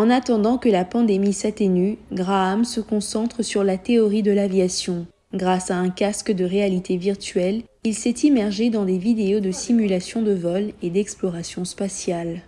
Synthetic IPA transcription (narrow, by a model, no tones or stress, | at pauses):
ɑ̃nat̪ɑ̃d̪ɑ̃kəlapɑ̃d̪emisat̪enyɡʁaːmsəkɔ̃sɑ̃t̪χəsyʁlat̪eɔʁid̪əlavjasjɔ̃ | ɡʁasaɛ̃kaskd̪əʁealit̪eviʁt̪ɥɛl | ilsɛt̪imɛʁʒed̪ɑ̃d̪evid̪eod̪əsimylasjɔ̃d̪əvɔled̪ɛksplɔʁasjɔ̃spasjal